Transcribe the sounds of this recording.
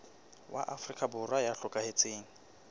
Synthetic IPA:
wa̰ʔafrikʼabʊrwajaɬʊkʼahet͡sʼeːŋ̩

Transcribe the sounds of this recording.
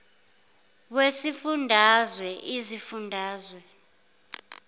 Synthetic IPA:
wesifundʱazwɛʔizifundʱaːzwɛ

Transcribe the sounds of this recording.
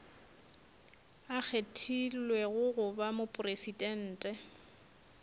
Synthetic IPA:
ak͡xʰetʰilwɛɣʊɣʊbamʊpʼʊresidɛn̩ːtʼɛ

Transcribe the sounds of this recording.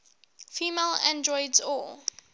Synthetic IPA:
fiːmelãndɹɔɪdzɔl

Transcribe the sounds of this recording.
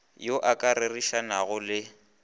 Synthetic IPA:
joʔakʼaɾɪriʃanaɣʊlɪ

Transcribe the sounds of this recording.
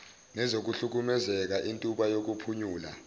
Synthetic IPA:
nɛzok̬uɬuk̬umɛzɛk̬aʔintʼuɓajok̬upʰuɲuːla̰

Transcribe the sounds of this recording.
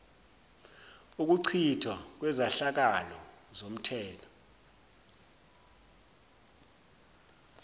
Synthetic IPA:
uk̬uǀʰitʰwak̬wɛzaɬak̬alɔ̰zom̩tʰɛːlɔ̥

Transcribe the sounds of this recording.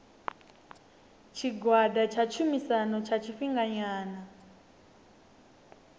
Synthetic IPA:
t͡ʃʰiɡwadat͡ʃʰat͡ʃʰumisanɔt͡ʃʰat͡ʃʰiɸiŋɡaɲaːna

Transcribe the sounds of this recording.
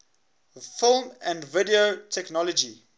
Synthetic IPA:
fɪlˠmæ̃ndvɪdiotʰɛknɔlɔd͡ʒi

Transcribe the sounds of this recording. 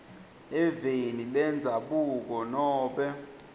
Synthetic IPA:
ɛvenilɛnd͡zʱaɓuk̬ɔnɔːɓɛ

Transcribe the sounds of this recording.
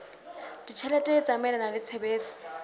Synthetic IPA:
d̥it͡ʃʰɛlɛtʼɛt͡sʼamɛlanalɪt͡sʰebeːt͡sʼi̥

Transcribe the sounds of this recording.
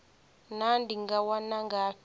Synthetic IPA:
nandiŋɡawanaŋɡa

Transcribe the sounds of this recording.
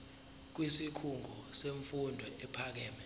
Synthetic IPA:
k̬wisikʰuŋɡʱɔseɱfundʱɔʔɛpʰak̬ɛːmɛ

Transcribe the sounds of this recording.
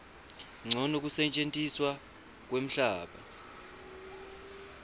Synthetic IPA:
ŋ͡ǀʱɔnok̬usɛt͡ʃʼentʼiswa | k̬wem̩ɬaːɓa̰

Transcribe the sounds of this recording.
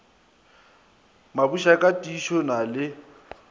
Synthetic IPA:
mabuʃakʼatʼiʃɔnalɪ

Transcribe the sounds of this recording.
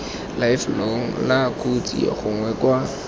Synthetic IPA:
laɪfloŋ̩lakut͡sʼḭa̰χʊŋwɛkwa

